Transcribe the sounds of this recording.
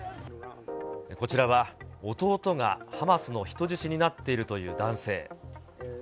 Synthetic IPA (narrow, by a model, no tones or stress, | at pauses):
ko̞t͡ɕiɾaβao̞t̪o̞ːt̪o̞ŋa̰hamasɨno̞çi̥t̪o̞ʑiɕiɲ̟inat̪ːe̞iɾɯ̟t̪o̞jɯ̟̰ːd̪ãɰ̃se̞̰ː